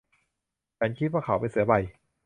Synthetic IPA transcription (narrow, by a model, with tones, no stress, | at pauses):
t͡ɕʰa˦˥nkʰi˦˥t̪̚waː˥˩kʰa˧˩˦wpa˧nsɯ˨˩˦ɐba˨˧j